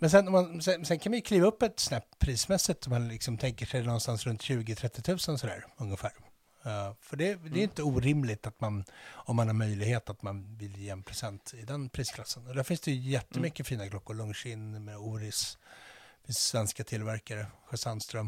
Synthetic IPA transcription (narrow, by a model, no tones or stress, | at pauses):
mɛnsɛnːɔmansɛsɛnkʰanmanjɵkʰliːvaɵpːɛt̪sɔnæːpʰːɾiːsmɛsːɪt̪ɔmanlɪksɔmt̪ʰɛŋkəʂɛjnɔnːst̪ansɾɵnt̪ɕʉ̟ːɡɪt̪ʰɾɛt̪ːɪt̪ʰʉ̟ːsənsɔd̪æ̰ːɾɵŋːəfæːɾ | fœɖɛd̪ɛɾjɪnt̪əuːɾɪmlɪt̪at̪manɔmːanhaɾmœjlɪɡheːt̪at̪manvɪljeːɛnpʰɾɛsɛnt̪ɪd̪ɛnpʰɾiːskʰlasːənɔd̪æːɾfɪnsd̪ɛjɵjɛt̪ːəmʏkːəfiːnakʰlɔkːʊɾɭɵŋʂɪnːmɛuːɾɪs | vɪsvɛnskat̪ʰɪlvæɾkaɾəɧɛsanst̪ɾœm